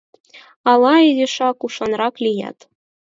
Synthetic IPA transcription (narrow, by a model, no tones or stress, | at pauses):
ɑlˠɑezʲeʃɑkuʃɑnrɑklʲijɑ̰t̪